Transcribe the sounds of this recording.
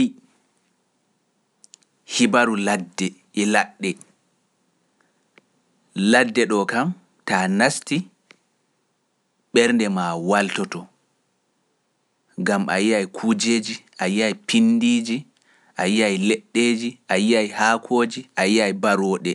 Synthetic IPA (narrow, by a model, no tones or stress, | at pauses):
hibaɾuladːɛ | ɛlaɗːɛ | ladːɛɗɔkam | tanasti | ɓɛɾndɛmawaltɔtɔ | ɡamʔa̰jiajkʰuːd͡ʒeːd͡ʒiʔajiajpinːdiːd͡ʒi | ʔajiajlɛɗːeːd͡ʒiʔajiajhaːkʰoːd͡ʒiʔajiajbaɾɔɗɛ